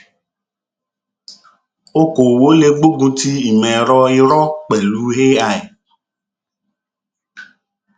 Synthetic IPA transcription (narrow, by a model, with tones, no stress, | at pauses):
o˦ko˨wo˦le˨ɡ͡bo˦ɡũ˦t̪i˦i˨mɛ̃˨ɾɔ˦i˦ɾɔ˦k͡pɛ˨lu˦ɦe˦a˨e˨